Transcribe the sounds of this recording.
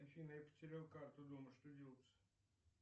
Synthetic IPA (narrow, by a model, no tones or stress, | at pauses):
fʲinəjapə̥tʲɪɾʲalˠkart̪ʊd̪oməʂt̪odʲilˠt̪sə̥